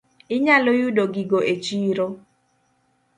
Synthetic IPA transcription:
ɪɲalojudoɡiɡoʔet͡ʃiɾo

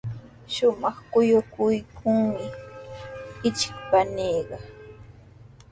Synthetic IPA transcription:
ʃʊmɑχkʊjʊkʊjkʰʊŋmɪ | ɪt͡ʃɪ̥kpaneːɢɑ

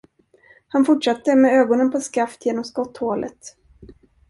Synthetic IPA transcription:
hanfʊʈʂat̪ːəmɛøːɡɔnənpʰɔskaft̪ʰjeːnɔmskɔt̪ːhoːlʔə̰t̪

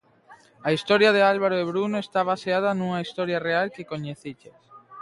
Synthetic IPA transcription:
aist̪ɔɾjaðealβaɾoeβɾunoest̪aβaseað̞anuŋaist̪ɔɾjarealkɪkoɲeθiʎes

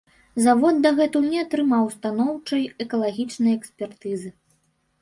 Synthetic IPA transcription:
zavɔd̪̚ːɐɣɛt̪uwnʲɛat̪ɾɨmawst̪anɔwt͡ʂɐjɛkɐlˠaɣʲit͡ʂnɐjɛksʲpʲɛrt̪ɨzɨ

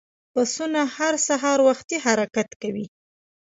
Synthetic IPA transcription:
pasunahaɾsaɦɑɾwaxt̪iɦaɾakat̪kawi

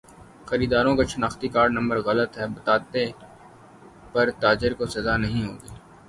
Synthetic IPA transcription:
xɐɾiːd̪aːɾõkaʃʊnaːxt̪ikaːɾɖnɐ̃mbəɾɣɐlət̪ɦɛbɐt̪aːt̪e | pɐɾt̪aːd͡ʒɪɾkosɐzanɐɦĩɦo̰ːɡiː

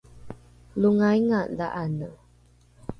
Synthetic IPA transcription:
luŋajŋaʔlaʔanə

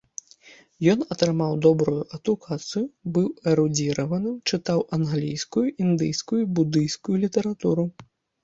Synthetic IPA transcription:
jɔnɐt̪ɾɨmawd̪ɔbɾujuʔɐd̪ukʰat̪sɨjubɨwɛɾud͡zʲiɾɐvɐnɨmt͡ʂɨt̪awʔɐnɣlʲijskujuʔind̪ɨjskujubud̪ɨjskujulʲit̪ɐɾat̪uɾu

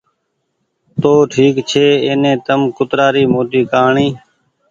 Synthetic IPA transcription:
t̪oːʈʰiːkt͡ʃʰeːeːnẽːt̪əmkʊt̪ɾaːɾiːmoːt̪iːkaːɳĩː

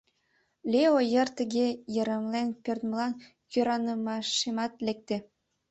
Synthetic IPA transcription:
lʲeojə̆rt̪ə̆ɣejə̆ɾə̆mlenpørt̪məlɑn | køɾɑnəmɑʃemɑt̪lʲek̚t̪ĕ

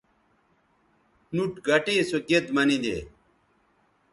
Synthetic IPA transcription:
nuʈɡɐʈeːsoked̪mɐnĩd̪ḛː

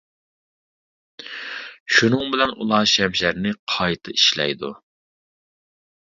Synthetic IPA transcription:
ʃunɨŋbɪlɛnulˠɑːʃɛmʃæɾnɪqʰɑjt̪ʰɨiʃlɛ̰jd̪ṵ

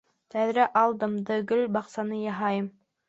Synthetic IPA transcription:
t̪æðɾæʔɑlˠd̪ɤmd̪ɤ̆ɡɵlbɑqsɑnɤjɑɦɑjɤm

